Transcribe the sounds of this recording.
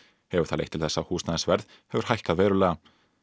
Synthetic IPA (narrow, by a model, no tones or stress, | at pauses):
hɛvʏɾ̥θaðḛjht̪ʰɪlθɛsːahuːsnaðɛsvɛɾð | hɛvʏɾ̥hajhkaðvɛːɾʏlɛːɣa